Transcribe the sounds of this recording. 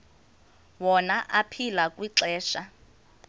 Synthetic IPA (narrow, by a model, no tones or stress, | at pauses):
wɔnaʔapʰilakʼwiǁɛːʃa